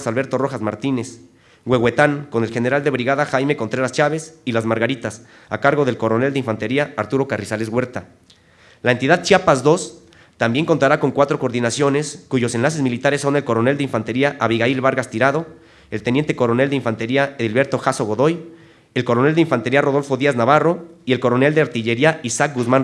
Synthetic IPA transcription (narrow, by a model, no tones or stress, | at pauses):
salβe̞ɾt̪o̞ro̞xazmaɾt̪ine̞s | ɡwe̞ɣwe̞t̪aŋko̞ne̞lxe̞ne̞ɾald̪e̞βɾiɣaðaxajme̞kont̪ɾe̞ɾast͡ʃaβesilazmaɾɣaɾit̪as | akaɾɣo̞ðe̞lko̞ɾo̞ne̞ld̪eiɱfant̪e̞ɾiaːɾt̪uɾo̞karisale̞zɣwe̞ɾt̪a | laent̪iðað̚t͡ʃiapazd̪o̞s | t̪ambje̞ŋko̞nt̪aɾako̞ŋkwat̪ɾo̞koɾðinasjo̞ne̞skuʝo̞se̞nlas̬e̞zmilit̪aɾe̞sːo̞ne̞lko̞ɾo̞ne̞ld̪eiɱfant̪e̞ɾiaʔaβiɣailβaɾɣast̪iɾaðo̞ | e̞lt̪enje̞nt̪e̞ko̞ɾo̞ne̞ld̪eiɱfant̪e̞ɾiaeðilβe̞ɾt̪o̞xaso̞ɣo̞ðo̞j | e̞lko̞ɾo̞ne̞ld̪eiɱfant̪e̞ɾiaro̞ðo̞lfo̞ðiaznaβaro̞ie̞lko̞ɾo̞ne̞ld̪e̞aɾt̪iʝe̞ɾiaisak̚ɡuzmãn